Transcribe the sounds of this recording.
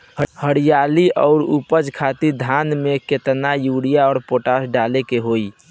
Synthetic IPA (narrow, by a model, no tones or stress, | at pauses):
həɽijaliɔ̰ʊɾupəd͡ʒkʰat̪iɾd̪ʱanmeket̪najuɽijaɔːɾpoʈasɖalekeɦoi